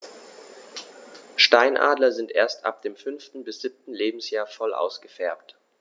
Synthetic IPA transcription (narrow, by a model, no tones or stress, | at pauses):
ʃtaɪnʔa̰ːdlɐzɪntʔḛːɐstʔa̰p̚d̥eːmfʏnftn̩bɪsz̥ɪp̚tn̩leːbm̩sjaːɐfɔlʔa̰ʊsɡ̥əfɛɐpt